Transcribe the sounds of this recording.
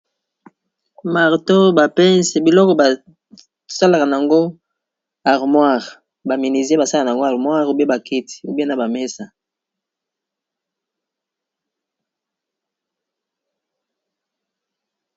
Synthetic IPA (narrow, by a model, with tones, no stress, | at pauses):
ma˨ʁto˦ba˨pɛ˦nse˨bi˨lɔ˦kɔ˨ba˨ | sa˦la˨ka˨na˨a˨ŋɡo˦ | a˨ʁmwa˦˨ʁ | ba˨mi˨ni˨ze˦ba˨sa˦ka˨n˨a˨ŋɡo˦a˨ʁmwa˦ʁu˦be˦ba˨ki˦ti̥˨u˦be˦na˦ba˨mɛ˦sa˨